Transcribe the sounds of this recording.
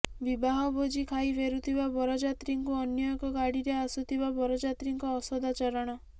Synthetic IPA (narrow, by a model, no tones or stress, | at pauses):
bibaɦɔbod͡ʒikʰajbʰeɾut̪ʰibabɔɾɔd͡ʒat̪ɾiŋkuɔnjɔkɔɡaɽiɾeasut̪ʰibabɔɾɔd͡ʒat̪ɾiŋkɔːsɔd̪at͡ʃɔɾɔɽ̃ɔ